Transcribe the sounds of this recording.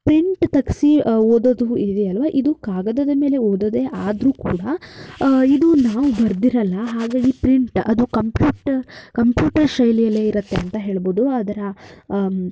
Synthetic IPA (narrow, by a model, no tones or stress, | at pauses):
pɾiɳʈt̪ɐksioːd̪od̪uid̪eɐlʋaːʔid̪ukaːɡɐd̪ɐd̪ɐme̞ːle̞oːd̪ɐd̪eʔaːd̪ɾuːkuːɽɐ | id̪unaːʋubɐɾd̪iɾɐlːɐɦaːɡaːɡipɾiɳʈɐd̪ukɐmpjuːʈkɐmpjuːʈɐɾʃɐjlijɐlːeːiɾɐt̪ːeɐnt̪ɐɦe̞ːɭboːd̪uɐd̪ɐɾɐ